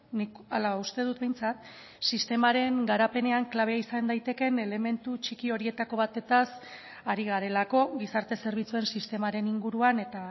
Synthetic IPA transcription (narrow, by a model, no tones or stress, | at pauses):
nik | alaust̪e̞ð̞ut̪bejnt͡sat̪ | sist̪e̞maɾe̞ŋɡaɾape̞ne̞aŋklaβe̞aisand̪ajt̪e̞ke̞ne̞le̞me̞nt̪ut͡ʃikio̞ɾie̞t̪ako̞βat̪e̞t̪as | aɾiɣaɾe̞lako̞ɣisaɾt̪e̞se̞ɾβ̞it͡sue̞nsist̪e̞maɾe̞niŋɡuɾuane̞t̪a